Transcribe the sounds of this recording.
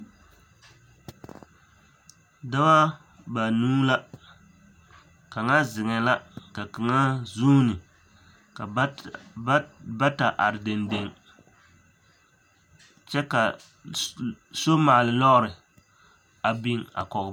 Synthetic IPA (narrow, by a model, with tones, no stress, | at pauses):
da˦wa˦ | ba˨nuː˦la˦ | ka˨ŋa˦zɪ˨ŋɛ˨la˦ka˨kɨ˨ŋa˦zu˦nɨ˨˦ | ba˦ta˨ʔa˨ɾɪ˨de˨nde˨ŋ | t͡ʃɛ˦ka˨ | so˦maː˨lɨ˨lɔ˦ɣʊ˦ɾɨ˨ | a˨bi˦ŋa̰˨kɔ˨ɣ